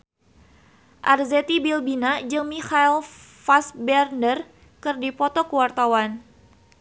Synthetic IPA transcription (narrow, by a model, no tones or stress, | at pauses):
ʔarzet̪ibilbinad͡ʒɨŋmixailfasbɛrnər | kɨrdipɔt̪ɔkəwart̪awan